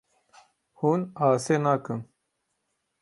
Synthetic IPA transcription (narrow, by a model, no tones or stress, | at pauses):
huːnaːseːnakən